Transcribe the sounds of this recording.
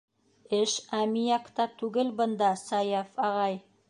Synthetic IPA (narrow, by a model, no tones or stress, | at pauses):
ɪʃæmijakt̪ɑt̪ʰuɡʲɪlbənd̪ɑsɑjafɑʁɑj